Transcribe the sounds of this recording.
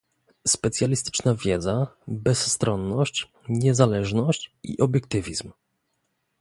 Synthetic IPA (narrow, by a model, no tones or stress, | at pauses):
spɛt̪sʲjalʲist̪ɘ̥t͡ʂnavʲjɛd̪zabɛsːt̪ɾɔnːɔɕt͡ɕ | ɲɛzalɛʐnɔɕt͡ɕḭʔɔbʲjɛk̚t̪ɘvʲizm